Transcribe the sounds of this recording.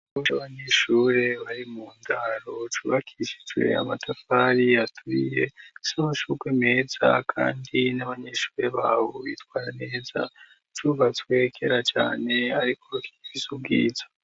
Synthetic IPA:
ot͡ʃaʋaɲeʃure̞ʋaɾimundarotuʋakʰit͡ʃi̥twḛa̰matʰafaɾiatʰuijesamaʃukweme̞d͡za̰kʰa̰ndineʋaɲe̞ʃu̥re̞ʋaβoit̪ʰwaɾane̞ːd͡za̰ | tʰuβat͡swekʰe̞ɾat͡ʃa̰ne̞aɾikurokʰiizuɡiːd͡zḁ

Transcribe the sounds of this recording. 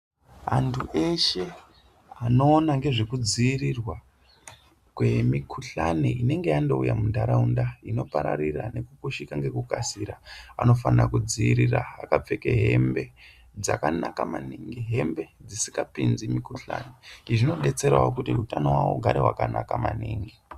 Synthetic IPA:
ɦantʰuʔe̞ʃe̞ | ano̞ːnaŋɡe̞ʐekud͡ziːrirwa | kwe̞mikʰuɬaneine̞ŋɡe̞jando̞ujamundaɾaundaino̞paɾa̰ɾirane̞kukuʃikaŋɡe̞kukasiɾaano̞fanakud͡ziiɾiraa̰kap͡fe̞keɦe̞mbe̞ | d͡zakanakamaniŋɡiɦe̞mbe̞d͡zisiŋɡapind͡zimikuɬa̰niiʐino̞ɗe̞t͡se̞rwa̰wokutiutanowawo̰ɡʱaɾḛɦwa̰kanakamaniŋɡi

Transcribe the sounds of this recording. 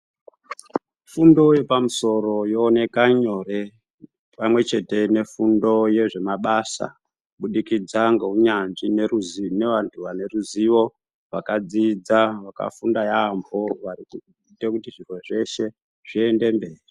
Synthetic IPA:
fundo̞je̞pamuso̞ɾo̞jo̞ːne̞kaɲo̞re | pamwe̞t͡ʃe̞te̞ne̞fundo̞je̞ʐe̞maɓasa̰ | ɓuɗikid͡zaŋɡeuɲanʐineruzne̞ʋantʰuʋane̞ruziʋo̞ | ʋakad͡zid͡zaʋaka̰fundajambʱo̞ʋariku | tekutiʐivwe̞ʐe̞ʃe̞ | ʐ̥ie̞nde̞mbe̞ːri

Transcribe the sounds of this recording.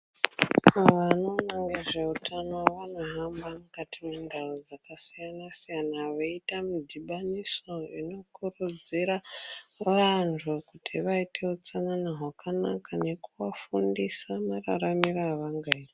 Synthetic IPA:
aʋano̞naŋɡeʐeutʰano̞ʋano̞ɦambamukatimwendaud͡zakasijanasijanaʋeitamidʱiɓaniso̞ino̞kurud͡ziɾaʋantʰukutʰiʋaite̞ut͡sananaɦwakʰanakane̞kuʋafundisamara̰ramiraːʋaŋɡairi

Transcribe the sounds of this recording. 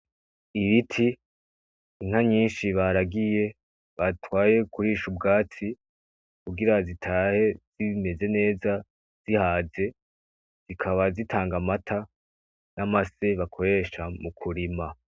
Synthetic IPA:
iβitʰi | iŋ̥haɲiːnʃiβaɾaɡije̞ | βatwaːje̞kʰuɾiːʃubɡaːt͡si | kuɡiɾazitʰaːhez̥ime̞ze̞ne̞ːza | z̥ihaːze̞ | z̥ikʰaβazitʰaːŋɡamatʰa | namase̞βakʰo̞ɾe̞ʃamukʰuɾima

